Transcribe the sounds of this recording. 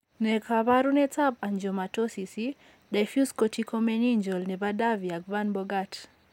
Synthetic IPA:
nɛkʰaβaɾunɛtabaɲd͡ʒɔmatosisi | dafjuskotikomeniɲd͡ʒɔlnɛbadaviak̚vanbɔɡat

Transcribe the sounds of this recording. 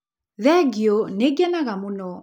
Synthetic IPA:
ðɛɡiɔneɡɛnaɣamunɔ

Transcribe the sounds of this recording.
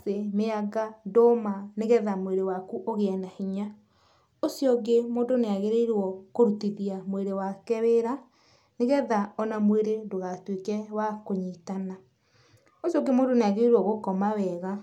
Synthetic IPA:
semeaɡadɔmaneɣɛðamweɾewakuʔoɣeɛnahiɲa | osjɔɡemoːdoneaɣeɾeiɾwɔkoɾutiðiamweɾewakɛweɾa | neɣɛðaɔnamweɾedoɣatwekɛwakoɲitana | osjɔɡemoːndoneaɣeɾeɾwɔɣokɔmawɛɣa

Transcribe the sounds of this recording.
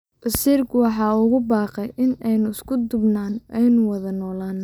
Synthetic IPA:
ʔɐsiːrkʰwɑħɑːʊɣʊbɑːqɛjʔɪnɛjnʊɪskʰʊd̪ʊbnaːnɛjnʊwɑðɐnɔːlaːn

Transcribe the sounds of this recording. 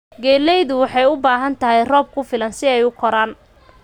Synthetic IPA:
ɡɛːlɛjðʊwɑħɑjʊbaːɦɐnt̪ʰɐɦɛjrɔːb̚kʰʊfɪlɐnsɪɛjʊkʰɔɾaːn

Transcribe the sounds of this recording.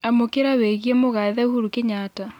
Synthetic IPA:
amokeɾaweɣjɛmoɣaðauhuɾukeɲaːta

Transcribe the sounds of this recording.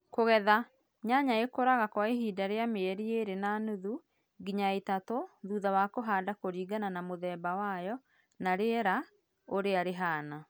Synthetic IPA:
koɣɛða | ɲaɲaekoɾaɣakwaeɦiːdaɾeameɛɾieɾenaːnuðu | ɡiɲaetatoðuːðawakoɦaːdakoɾiːɡananamoðɛːbawajɔ | naɾeɛɾa | oɾeaɾeɦaːna

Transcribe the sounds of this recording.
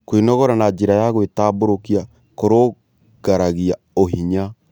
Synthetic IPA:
koinɔɣɔɾanad͡ʒeɾajaɣwetaːboɾokia | koɾo | ɡ̥aɾaɣia | oɦiɲa

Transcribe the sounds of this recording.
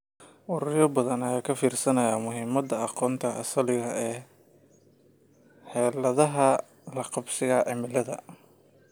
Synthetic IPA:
ʊɾʊjɔbɐðɐnɐjaːkʰɐfiːrsɐnɐjaːmʊɦɪmɐd̪ɐɑqɔːnt̪ʰɐʔːsɐlɪɣɐʔɛː | ħɛːlɐðɐɦɐ | lɐqɑbsɪɣɐʔɛ̰mɪlɐðɐ̰

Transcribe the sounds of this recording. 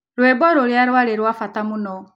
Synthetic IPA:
ɾwɛbɔɾoɾjaɾwaɾeɾwafatamunɔ

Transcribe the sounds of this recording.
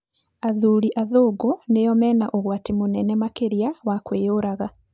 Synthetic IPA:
aðuːɾiʔaðoːɡɔnejɔmɛːnaʔoɣwatemonɛnɛmakeɾiawakwejoɾaɣa

